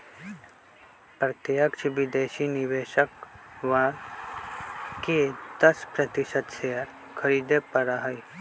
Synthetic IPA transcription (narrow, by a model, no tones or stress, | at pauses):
pɾət̪jəkt͡ʃʰʋid̪eːʃiːniʋeːʃəkʋaːɾ | ked̪ɐspɾɐt̪iʃət̪seəɾ | kʰɐɾiːd̪epɐɾaɦɐj